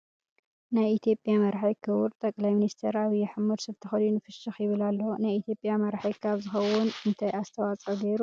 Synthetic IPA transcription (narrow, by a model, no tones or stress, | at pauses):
najit̪ʰjo̞pʼjamɐɾħajkʰɨβuɾt̪ʼɐkʼlajminist̪ʰɐɾaβijɛħamuɾsɨbt̪ʰɨxɐlunɨfɨʃɐxjɪβɨlalːonajit̪ʰjo̞pʼjamɐɾħajkʰaβzɨxɐwʊnɨnt̪ʰajast̪ʰɐwat͡sʼɐd̪eɾu